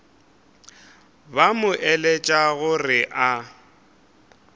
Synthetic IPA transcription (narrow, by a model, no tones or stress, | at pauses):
bamʊʔɛlet͡ʃʼaɣʊrɪʔa